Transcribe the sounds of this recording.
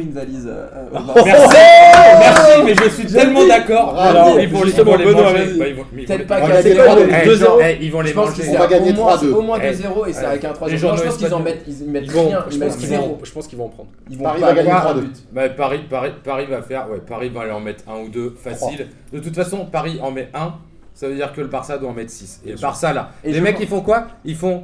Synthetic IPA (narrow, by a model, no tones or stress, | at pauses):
ynvalizø̰ | mɛsimɛʁsimɛʒəsɥiɛlmɑ̃d̪akɔʁaiivʒyst̪əmɑ̃leɔnɔvaiaiṽmt̪ɛt̪pavaɡɡaɲɛet̪awaød̪əzeʁɛilvɔ̃leəpɑ̃skiɔɛvaɡaɲemwχwad̪øomwɛ̃d̪əzeʁoesaɛkɛ̃t̪χwad̪əpɑ̃skizɑ̃mɛt̪izimɛtiṽjɛ̃ilmɛt̪sizoʒə̥pɑ̃skilvɔ̃ɑ̃pχɑ̃d̪ʁivɔ̃paʁivaɡawawad̪t̪bapaʁipaʁipaʁivafɛʁwɛpaʁivaːleɑ̃mɛt̪χɛ̃ud̪øfasil | d̪̥ət̪ut̪fasɔ̃paʁiʔɑ̃mɛʔɛ̃ | savød̪iʁkələbaʁsad̪waɑ̃mɛt̪sisḛləbaʁsalalemɛkːifɔ̃kwailfɔ̃